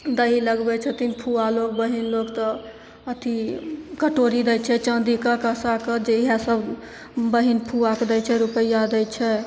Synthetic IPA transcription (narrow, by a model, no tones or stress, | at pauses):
d̪əɦiləɡbɛt͡ʃʰɛt̪inpʰualok̚bəɦinloɡt̪ɔ | ət̪ʰikəʈoɾid̪ɛt͡ʃʰɛt͡ʃə̃nd̪ikəkəsakəd͡ʒeɦasəb | bəɦinpʰuakd̪ət͡ʃʰɛɾupəijad̪ɛt͡ʃʰɛ